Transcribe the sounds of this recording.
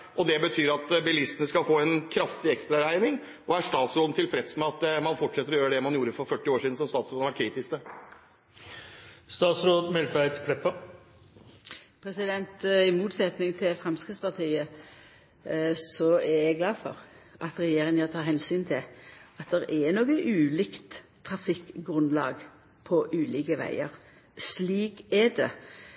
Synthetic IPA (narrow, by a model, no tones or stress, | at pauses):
ʔɔd̪ɛbət̪ʰyːɾɑt̪bɛlɪst̪ənəskɑlfoːɛnkʰɾɑft̪ɪɛkst̪ɾɑɾæɪnɪŋ | ʔɔæɾʂt̪ɑːt̪sɾoːd̪nət̪ʰɪlfɾɛt̪smɛɑt̪mɑnfɔʈʂɛt̪ːəɾɔjøːɾəɖd̪ɛmɑnjuːɾəfɔɾfœʈːɪoːʂiːd̪n̩sɔmst̪ɑːt̪sɾoːd̪næɾkʰɾiːt̪ɪst̪ə | st̪ɑːt̪sɾoːd̪mɛlfæɪt̪kʰɽɛpːɑ | pʰɾɛsɪd̪ɛnt̪ɪmuːt̪sɛt̪nɪŋt̪ʰɪlfʁɛmskʁɪt̪spɑʁt̪ʰiːə | sɔɛɾɛɡlɑːdfɔ̰ʁ | ʔɑt̪ɾɛjeːɾɪŋət̪ʰɑːɾhɛnsyːnt̪ʰɪlɑt̪̚d̪ɛɾɛnoːɡəʔʉːliːkt̪ʰː | ɾɑfɪkɡʁʉnlɑ̰ːɡ | pʰɔʔʉːliːkəʋæ̰ɪəʁ | sliːkɛd̪ɛ̰